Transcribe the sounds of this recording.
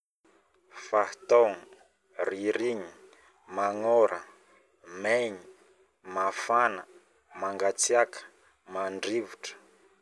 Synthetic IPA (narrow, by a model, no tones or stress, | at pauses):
fat̪oŋi | riɾiɲi | maŋɔɾʔə | meɲi | mafanə | maŋɡat͡siakə̥ | maɳɖ͡ʐivuʈ͡ʂə̥